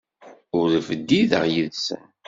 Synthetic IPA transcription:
ʊɾðfəd̪ːiðə̰ʁjəðsə̰n

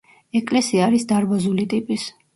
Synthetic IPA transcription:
ɛkʼlɛsiaːɾisd̪aɾbazulit̪ʼipʼis

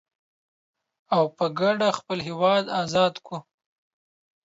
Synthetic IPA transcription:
awpəɡaɖaxpəlɦewɑd̪ɑzɑd̪ku

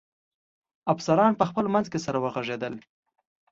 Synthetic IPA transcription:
afsaɾɑnpəxpəlmanzkesaɾawəɣaʐed̪əl

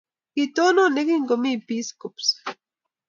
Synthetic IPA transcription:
kit̪ononekiŋkomipiskops

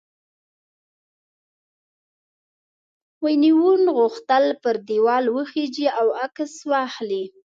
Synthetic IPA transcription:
wəjniwunɣʊxt̪əlpəɾd̪iwɑlwəxed͡ʒiawakəswɑxli

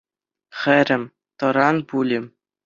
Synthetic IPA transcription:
χɘ̆ɾʲɘ̆mʲ | t̪ɤ̆ɾɑnbulʲɘ̆m

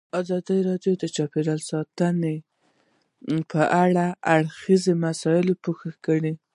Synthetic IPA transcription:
ɑzɑd̪iɾɑɖjod̪ət͡ʃɑpeɾalsɑt̪əne | pʰəʔaɽaaɽxizemasɑjɪlopoxakəɽi

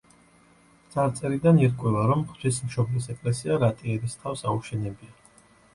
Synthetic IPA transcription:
t̪sʼaɾt̪sʼɛɾid̪aniɾkʼwɛvaɾɔmχt̪ʰis̬mʃɔblisɛkʼlɛsiaɾat̪ʼiɛɾist̪ʰafsauʃɛnɛbia

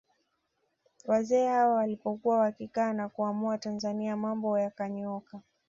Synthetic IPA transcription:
wazɛːhawawalipɔkuwawakikaːnakuamuatanzaniamambɔjakaɲɔka

